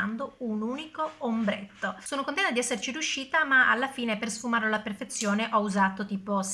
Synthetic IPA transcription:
and̪ounuːnikoːmbɾḛt̪ːosoːnokont̪ɛnad̪iɛsːert͡ʃiɾjuʃːiːt̪amaʔalːafiːnepersfumaɾolaperfet̪sːjoːneʔɔuzaːt̪ot̪iːpos

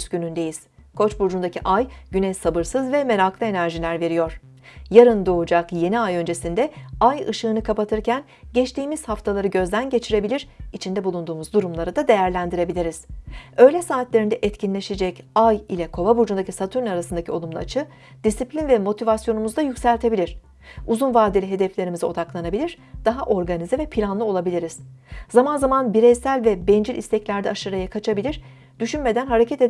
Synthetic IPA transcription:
sɟynynd̪e̞jiz̥kʰo̞t͡ʃbuɾd͡ʒund̪acʰiʔajɟ̥ynɛjsabɯɾsɯzvɛme̞ɾaklˠɯe̞næɾʒilʲæɾve̞ɾijo̞ɾ̥ | jaɾɯnd̪o̞ud͡ʒakje̞niajø̞nd͡ʒe̞sind̪ɛajɯ̰ʃɯːnɯkʰapat̪ʰɯɾcʰæn | ɟɛt͡ʃt̪iːmiz̥haft̪ʰalˠaɾɯɟø̞zd̪ænɟe̞t͡ʃʰiɾe̞bilʲiɾ̥it͡ʃʰind̪ɛbulˠund̪uːmuzd̪uɾumlˠaɾɯd̪ad̪e̞jæɾlʲænd̪iɾe̞bilʲiɾiz̥ø̞jlʲɛsaːt̪lʲeɾind̪ɛʔɛt̪cʰinlʲe̞ʃed͡ʒɛcajilʲɛkʰo̞vˠabuɾd͡ʒund̪acʰʲisat̪ʰyɾnaɾasɯnd̪acʰio̞lˠumlˠaat͡ʃʰɯ | d̪̥isiplʲinvɛmo̞t̪ʰivasjo̞numuzd̪ajycʲsælʲt̪ʰe̞bilʲiɾ̝̥ | uzunvaːd̪ilʲiɦe̞d̪ɛflʲe̞ɾimizio̞d̪aklˠanabilʲiɾ̥ | d̪̥aɦaʔo̞ɾɡanizɛvɛpʰilʲanlˠɯo̞lˠabilʲiɾiz̥zamanzamanbiɾɛjsælʲvɛbɛnd͡ʒilʔḭst̪ʰɛclʲæɾd̪ɛaʃɯɾajakʰat͡ʃʰabilʲiɾ̥ | d̪̥yʃynme̞d̪ænɦaɾe̞cʰɛt̪e

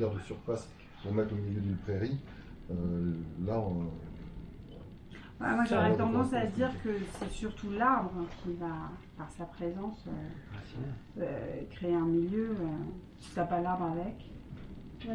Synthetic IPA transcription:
ɛʁd̪əsyʁfas | vɔ̃mɛt̪χomiljød̪ypχeʁi | ølaɔ | va̰mwaʒoʁɛt̪ɑ̃d̪ɑ̃sad̪iʁkəsɛsyʁt̪ʰulaʁbʁkʰʲivapaʁsapχezɑ̃sø | økχeeɛ̃miljøøsi̥sapalaʁbʁavɛk

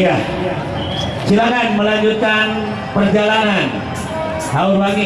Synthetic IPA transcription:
a | t͡ʃilakanməlaɲd͡ʒut̪an | pərd͡ʒalanan | haubaŋi

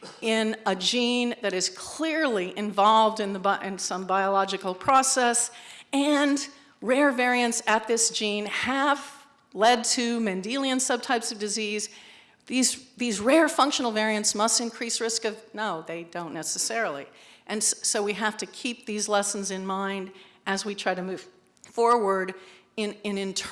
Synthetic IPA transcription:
ɪ̃nəd͡ʒĩnðɨɾɨz̥kʰl̥ɪɹliʔɨ̃ɱvɑlˠvdɨ̃nðəbʔɪ̃nsʌ̃mbaɪəlɑd͡ʒɨkl̩ˠpʰɹ̥ɑsɛsɨ̃n | ɹɛɹvɛɹiɨ̃ntsɨt̪̚ðɪsd̥ʒ̥ĩnɨv | lɛd̚tʰɨmɨ̃ndilˠiɨ̃nsʌb̚tʰaɪpsʌvdɨziz | ðizðizɹɛɹfʌ̃ŋkʃnl̩ˠvɛɹiɨ̃ntsmʌstɨ̃nkʰɹ̥isɹɪskʌvnoʊðeɪdõʊ̃nːɛsɨsɛɹl̩ˠḭʔɨ̃nssoʊwiɦæftɨkʰip̚ðizlɛsn̩zɨ̃nmãɪ̃ndʔɨzwitʰɹ̥aɪɾɨmʉv̥ | fɔɹwə˞ɾɪ̃nɨ̃nɨ̃ntʰ

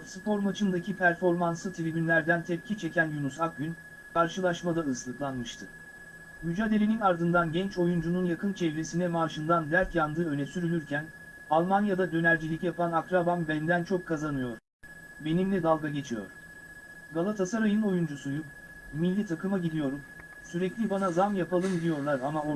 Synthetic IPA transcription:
sɯpʰo̞ɾmat͡ʃʰɯnd̪acʰipʰæɾfo̞ɾmansɯt̪ʰelʲebinlʲæɾd̪ænt̪ʰɛp̚cʰit͡ʃʰe̞cʰænjunusak̚ɟyn | kʰaɾʃɯlˠaʃmad̪aɯslˠɯklˠanmɯʃt̪ʰɯ | myd͡ʒaːd̪e̞lʲe̞ninaɾd̪ɯnd̪anɟɛnt͡ʃo̞jund͡ʒununjakʰɯnt͡ʃʰɛvɾesinɛmaːʃɯnd̪and̪æɾtjand̪ɯːø̞nɛsyɾylʲyɾcʰæn | alˠmanjad̪ad̪ø̞næɾd͡ʒilʲicʲijapʰanakɾabambænd̪ænt͡ʃʰo̞kʰːazanɯjo̞ɾ | be̞nimlʲɛd̪alˠɡaɟe̞t͡ʃʰijo̞̰ɾ | ɡalˠat̪ʰasaɾajɯno̞jund͡ʒusujum | milʲːit̪ʰakɯmaɟid̪ijo̞ɾum | syɾɛclʲibanazamjapʰalˠɯmilʲijo̞ɾlˠaɾamao

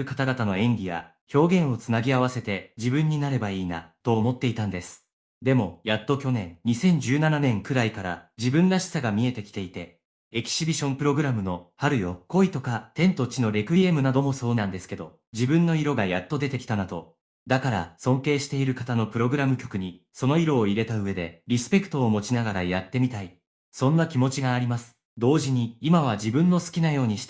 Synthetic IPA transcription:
ɯkat̪aɡat̪ano̞ẽ̞ŋɡʲiβa̰ | ço̞ːɡẽ̞ɰ̃o̞t͡sɨnaɡʲiaβ̞ase̞t̪e̞d͡ʑibɯ̟̃ɲ̟ːinaɾe̞baiːna̰t̪o̞ːmo̞t̪ːe̞it̪ãnd̪e̞sɨ̥ | d̪e̞mo̞jat̪ːo̞kʲo̞nẽ̞nɲːisẽ̞ɲ̟d͡ʑɨːnananẽ̞ŋkɯ̟ɾaikaɾa̰d͡ʑibɯ̟̃nɾaɕi̥saɡamʲie̞t̪e̞kʲi̥t̪e̞it̪e̞ | ekʲi̥ɕibʲiɕõ̞mpɯ̟ɾo̞ɡɯ̟ɾamɯ̟no̞haɾɯ̟jo̞ko̞it̪o̞kat̪ẽ̞nt̪o̞t͡ɕino̞ɾʲe̞kɯ̟ie̞mɯ̟nad̪o̞mo̞so̞ːnãnd̪e̞sɨ̥ke̞d̪o̞ | d͡ʑibɯ̟̃nːo̞iɾo̞ɡajat̪ːo̞d̪e̞t̪e̞kʲi̥t̪anad̪o̞ | d̪akaɾa̰sõ̞ŋke̞ːɕi̥t̪e̞iɾɯ̟kat̪ano̞pɯ̟ɾo̞ɡɯ̟ɾamɯ̟kʲo̞̥kɯ̟ɲ̟iso̞no̞iɾo̞ːiɾe̞t̪aɯ̟βe̞d̪e̞̰ɾʲisɨ̥pe̞kɯ̟̥t̪o̞ːmo̞t͡ɕinaɡaɾajat̪ːe̞mʲit̪ai | sõ̞nːakʲimo̞t͡ɕiɡaːɾʲimasɨ̥ | d̪o̞ːʑiɲ̟iːmaβ̞ad͡ʑibɯ̟̃nːo̞sɨ̥kʲinajo̞ːɲ̟iɕi̥t̪

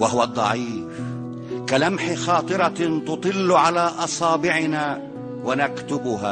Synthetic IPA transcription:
waɦʊwad̪ˤːɑ̰ʕiːf | kalamħɪxɑːt̪ˤɨɾˤɑt̪ʊt̪ˤɨlːʕalaːʔɑsˤɑːbɪʕɪnaː | wanakt̪ʊbʊɦa̰ː

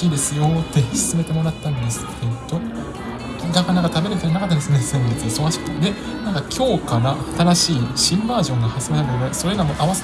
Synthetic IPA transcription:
iːd̪e̞sɨjo̞t̪ːe̞sɨ̥t͡sɨme̞t̪e̞mo̞ɾat̪ːãnd̪e̞sɨ̥t̪ʰːet̪ːo | ɡ̪akanaɡat̪abe̞ɾɯt̪aɾanakat̪ːanesɨnsẽnet̪ːso̞ɡaɕi̥kɯ̥t̪ːad̪e̞ | nãŋkakʲʰo̞ːkaɾaat̪aɾaɕiːɕĩmbaːʑõ̞ŋɡahasɨɾeaeɾaso̞ɾe̞ɡamoʔaβase

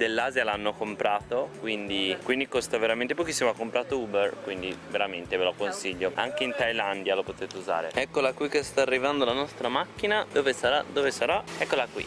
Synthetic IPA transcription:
d̪elːaːzjalanːokompɾaːt̪okwind̪ikwind̪ikost̪aveɾament̪epokisːimoakːompɾaːt̪ouːberkwind̪iveɾament̪evelokonsiʎːoa̰ŋk̟eint̪ajland̪jalopot̪eːt̪euza̰ːɾḛɛkːolakwikːest̪aːrːivand̪olanɔst̪ɾamakːinad̪oːvesaɾad̪ovesaɾaɛkːolakwḭ

